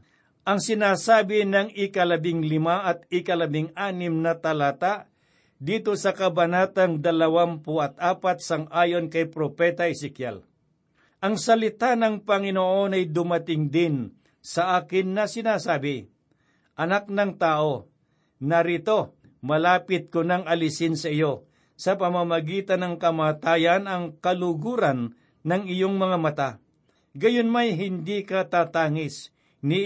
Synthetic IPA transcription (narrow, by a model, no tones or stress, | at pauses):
ʔɐŋsɪnaːsaːbɪnɐŋɪkɐlɐbɪŋlɪmaʔɐt̪̚ɪkɐlɐbɪŋaːnɪmnɐt̪ɐlaːt̪aʔ | d̪iːt̪o̞sɐkɐbɐnaːt̪ɐŋd̪ɐlɐwampʊʔɐt̪̚ʔaːpat̪̚sɐŋʔaːjo̞nkɐjpɾopɛt̪ɐɪsɪkja̰l | ʔɐŋsɐlɪt̪anɐŋpɐŋɪnoʔo̞nɐjd̪ʊmɐt̪ɪŋd̪ɪn | sɐʔaːkɪnːɐsɪnaːsaːbɪ | ʔɐnak̚nɐŋt̪aːʔo̞ | nɐɾit̪o̞ | mɐlaːpɪt̪̚konɐŋɐlɪsɪnsɐɪjo̞ | sɐpɐmamɐɡiːt̪ɐnːɐŋkɐmaːt̪aːjɐnɐŋkɐlʊɡuːɾɐnː | ɐŋɪjo̞ŋmɐŋamɐt̪a | ɡɐjonmajɦɪnd̪ikɐt̪aːt̪aːŋɪs | nɪ